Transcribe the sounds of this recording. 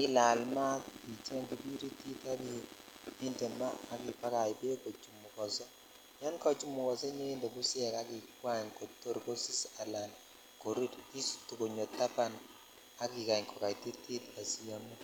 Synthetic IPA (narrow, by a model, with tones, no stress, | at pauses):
ɪ˦la˨lma˦ti˨t͡ʃɛ˦ŋɡi˨bi˦ɾi˦ti˦ta˦bi˦i˦nte˨mmaː˦˨ki˨pa˦ka˨jbe˦ko˨t͡ʃu˨mu˨kɔ˨sɔ˦ | ja˦nkɔ˨t͡ʃu˦mu˨kɔ˨sɔ˦ɲe˦nde˨ku˦sɛ˨ka˦ki˨kwa˦ɲko˨tːo˦ɾko˦si˦sa˨la˨n | ko˨ɾi˦ti˦stu˨ko˨ɲo˨tːa˦pa˦n | a˨ki˨ka˨ɲkɔ˨ka˨jti˦ti˦ta˨si˦ja˦mi˦